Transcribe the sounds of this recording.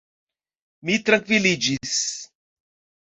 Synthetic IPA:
mit̪ɾɐ̃ŋkvilid͡ʒis

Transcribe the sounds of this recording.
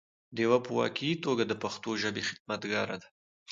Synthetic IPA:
d̪ewapəwɑ̰kiit̪oɡad̪əpaxt̪oʒabexɪ̥d̪̚mat̪ɡɑɾa̰d̪ḁ

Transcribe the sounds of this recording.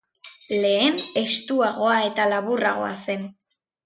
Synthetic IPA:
le̞ːne̞st̪uaɣo̞ae̞t̪alaβuraɣ̞o̞̰a̰se̞n

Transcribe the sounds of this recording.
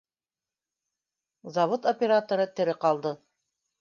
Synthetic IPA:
zɑvot̪opʲeɾat̪oɾɤt̪ɘ̆ɾɘqɑlˠd̪ɤ

